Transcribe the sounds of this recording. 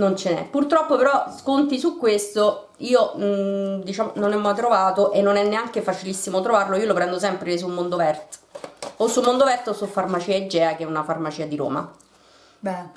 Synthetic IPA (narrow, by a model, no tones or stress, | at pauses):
nont͡ʃenɛ̰pːurt̪ɾɔpːopeɾɔskont̪isukːwest̪o | iːo | d̪it͡ʃaːmononemːajt̪ɾovaːt̪oʔenːonɛnːeaŋk̟efat͡ʃilisːimot̪ɾovarloiːolopɾɛnd̪os̬ɛmpɾes̬ulmond̪ovɛrt̪osːulmond̪ovɛrt̪osufarmat͡ʃiːaed͡ʒːɛːak̟eɛunafarmat͡ʃiːad̪iɾo̰ːma̰